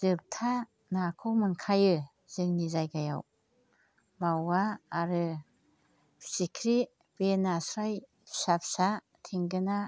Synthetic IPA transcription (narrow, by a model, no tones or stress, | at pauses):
z̥ɯp̚tʰa | nakʰɯwmɯŋkʰajɯ | z̥ɯŋnizajɡaja̰w | mawaːɾɯ | sikʰɾi | b̥enasɾaj | sap̚sa | tʰiŋɡɯna